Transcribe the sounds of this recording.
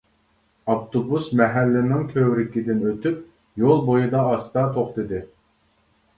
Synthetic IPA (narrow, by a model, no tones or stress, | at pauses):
ɑpt̪ʰobusmɛɦælːɪnɪŋkʲʰøwɾɪkʲid̪ɪnøt̪ʰyp̚ | jolˠbojud̪ɑːst̪ɑt̪ʰoχt̪ɨd̪ɨ